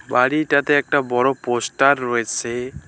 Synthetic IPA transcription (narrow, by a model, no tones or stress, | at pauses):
baɽitat̪eɛk̚ʈabɔɹɔposʈaɾːɔet͡sʰe